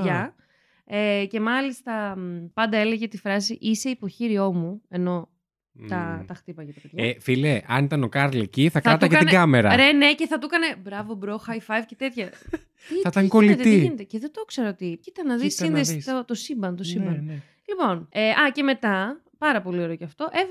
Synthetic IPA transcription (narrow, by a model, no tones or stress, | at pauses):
ʝɐ | ece̞mɐlist̪ɐpɐnd̪ɐe̞le̞ʝet̪ifɾɐsiʔise̞ipo̞çiɾio̞mue̞no̞ | t̪ɐt̪ɐxt̪ipɐjɐt̪ɐpðʝɐɐefileʔɐ̰nit̪ɐno̞kɐɾlḛciθɐkɐt̪ɐkeɐt̪inɡɐmeɾɐ̰ɾene̞ce̞θɐt̪ukɐne̞bɾɐvobɾo̞xɐjfɐjvcet̪e̞t̪çɐ | t̪iɐt̪ɐŋkoliet̪iinet̪eceðed̪okseɾoot̪icit̪ɐnːɐðissinðesɐt̪osimbɐnt̪osimbɐn | lipo̞neʔɐce̞me̞t̪ɐ | pɐɾɐpo̞lio̞ɾo̞ceɐft̪o̞ʔev